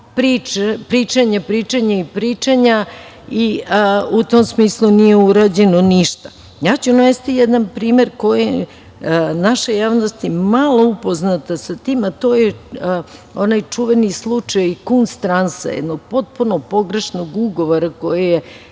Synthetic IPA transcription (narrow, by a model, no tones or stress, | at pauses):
pɾit͡ʃepɾiːt͡ʃaɲapɾiːt͡ʃaɲaipɾiːt͡ʃaɲa | iut̪omsmiːslˠunijeuɾad͡ʑenoniʃt̪ḁ | jaːt͡ɕunaʋest̪ijɛd̪anpɾiːmeɾko̞jij | naʃejaːʋnost̪imalˠo̞upo̞znat̪asat̪iːmat̪o̞ːje | onajt͡ʂuʋenislˠut͡ʃajkunst̪ɾansa̰jḛd̪noɡ̚po̞t̪̚punopo̞ɡɾe̞ʃno̞ɡuɡo̞ʋoɾako̞jeje